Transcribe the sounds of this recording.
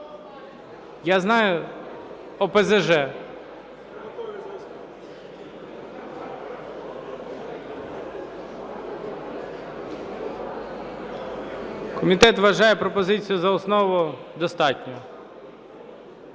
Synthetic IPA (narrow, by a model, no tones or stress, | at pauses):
jaznɑjʊ | ɔpɛzeʒɛ | kɔmʲit̪ɛt̪ʋɐʒɑjɛpɾɔpɔzɪt͡sʲijʊzɐɔsnɔʋʊd̪ɔst̪ɑtʲnʲɔ